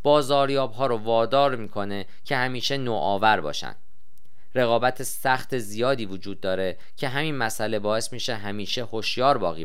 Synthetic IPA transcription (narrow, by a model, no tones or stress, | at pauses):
b̥ɒːzɒːɾjɒːbɦɒːɾovɒːd̪ɒːɾmiːkʰo̞ne̞ | cʰe̞hæmiːʃe̞noːʔɒːvæɾbɒ̰ːʃæ̰nd̪̥ | ɾe̞ɣɒːbæt̪ʰesæxt̪ʰezijɒːd̪iːvod͡ʒuːd̪̚ːɒːɾe̞ | cʰe̞ɦæminmæsʔæle̞bɒːe̞smiʃe̞ɦæmiːʃeho̞ʃjɒːɾbɒ̰ːɣiː